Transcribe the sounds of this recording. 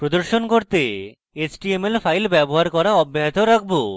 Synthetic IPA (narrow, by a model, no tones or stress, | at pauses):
pɾod̪oɾʃonkoɾt̪e | et͡ɕʈiemelfʰajlbɛboɦaɾkɔɾaɔbːaɦet̪oɾak̚ʰbo